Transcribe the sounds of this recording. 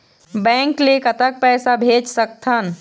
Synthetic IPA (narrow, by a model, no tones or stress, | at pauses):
bɛ̃ːŋklekɐt̪ək̚pɛːsabʱeːd͡ʒsək̚t̪ʰən